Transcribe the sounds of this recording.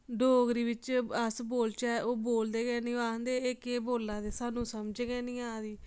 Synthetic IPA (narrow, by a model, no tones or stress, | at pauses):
ɖoːɡɾiːʋɪt͡ʃəsboːlt͡ʃaːʔoːboːld̪eːɡɛːnĩːaːnd̪eːeːkeːboːlːãːd̪eːsaːnũːsəmd͡ʒɡɛːnĩːaːd̪iː